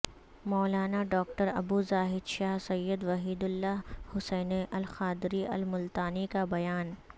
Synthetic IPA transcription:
mɔːlaːnaɖɔːkʈəɾɐbuːzaːɦɪd̪ʃaːɦsɐjːəd̪ʋɐɦiːd̪ʊlːaɦhʊsɛːneʔɐlxaːd̪ɾiʔɐ̰lmʊlt̪aːnikabɐjaːn

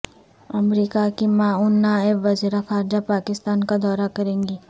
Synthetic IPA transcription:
ɐmɾiːkakimãːʊnːaːɪbʋɐziːɾaxaːɾd͡ʒapaːkɪst̪aːnkad̪ɔːɾakɐɾẽːŋɡiː

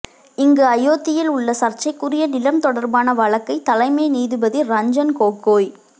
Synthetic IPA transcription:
ɪŋɡɯɐjoːt̪ːɪjɪlʊɭːɐsɐrt͡ʃːɐɪkːʊrɪjɐnɪlɐmt̪ɔɽɐɾbaːnɐʋɐɭɐkːɐɪt̪ɐlɐɪmɐɪniːðɯbɐðiɾɐɲd͡ʒɐnkoːkːoːj

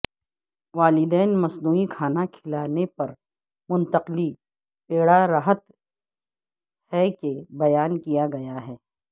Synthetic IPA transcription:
ʋaːlɪd̪ɛːnmɐsnuːikʰaːnakʰɪlaːnepɐɾ | mʊ̃nt̪əqli | peːɽaɾaɦət̪ | hɛkebɐjaːnkijaɡɐjaɦɛː

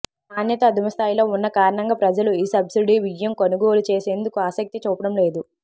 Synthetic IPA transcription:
aːnjɐt̪ɐːd̪umɐst̪ʰaːjilo̞ːunːɐkaːɾɐɳɐŋɡaːpɾɐd͡ʒɐluiːsɐbsiɖiʋid͡ʒjɐmkonuɡo̞ːlut͡ʃeːse̞ːnd̪ukuaːsɐk̚t̪it͡ʃuːpɐɽɐmle̞ːd̪u

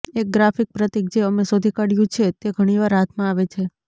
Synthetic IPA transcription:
ek̚ɡɾafik̚pɾət̪ik̚d͡ʒeəmesod̪ʱikəɽjũt͡ʃʰet̪eɡʱəɽ̃iʋaɾɦat̪ʰmãaʋet͡ʃʰe

